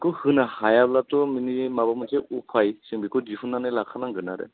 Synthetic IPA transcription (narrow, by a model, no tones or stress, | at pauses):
kɔhɯnahajablatɔminimabamɯtʰeupʰajsɯŋbikɔzipʰunanɯlakʰanaŋɡɯnaɾɛ̰